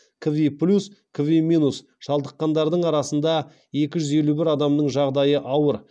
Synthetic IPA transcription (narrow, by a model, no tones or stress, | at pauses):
kʰovʲiplʲuskʰoviminus | ʒ̥ɑlˠd̪əqːɑnd̪ɑɾd̪əɴɑɾɑsənd̪ɑ | e̞kʲɪʒʏze̞lubɪɾɑd̪ɑmnəɴʒɑʁd̪ɑjəʔɑwəɾ